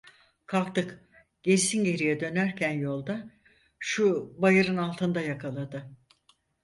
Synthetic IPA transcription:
kʰalˠk̚t̪ɯk | ɟ̥eɾsinɟe̞ɾijɛd̪ø̞næɾcʰænjo̞lˠd̪a | ʃubajɯɾɯnalˠt̪ʰɯnd̪ajakʰalˠad̪ɯ

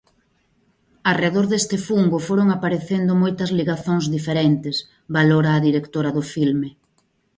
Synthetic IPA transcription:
areðoɾðest̪ɪfuŋɡʊfoɾoŋapaɾeθend̪ʊmojt̪ɐzliɣaθoŋzðifeɾent̪ɪs | baloɾaːðiɾekt̪oɾɐðʊfilme

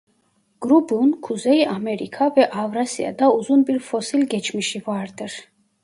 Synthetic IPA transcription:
ɡ̥ɾubunkʰuzɛiʔamɛɾḭkʰavɛʔavɾasḭa̰d̪auzunbiɾfɔsilɡɛt͡ʃʰmiʃivaɾd̪ɛɾ

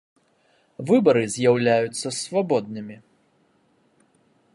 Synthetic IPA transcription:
vɨbɐɾɨzʲjawlʲajut̪sːɐsvabɔd̪̚nɨmʲi

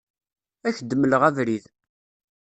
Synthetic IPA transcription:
æçd̪əmələʁævɾið

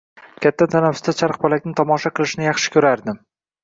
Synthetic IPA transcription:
kʲʰat̪ʰːat̪ʰanafʊ̥st̪at͡ʃʰaɾq̚bɒlakʲnɪt̪ʰɒmɒʃaqʰɨlˠɪʃɪnɪjɑχʃɪ̥kʲʰɵɾaɾd̪ɪm

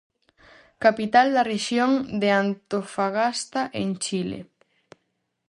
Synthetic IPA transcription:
kapit̪ald̪areʃjoŋd̪eant̪ofaɣast̪aʔent͡ʃilḛ

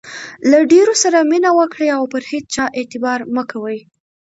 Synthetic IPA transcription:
laɖeɾosaɾaminawəkɽeawpəɾhet͡st͡ʃɑʔet̪ɪbɑɾməkʰawəj

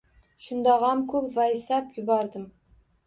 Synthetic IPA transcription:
ʃʊnd̪ɒʁɑmkʰʊpvasapjʊbɒɾd̪ɪm

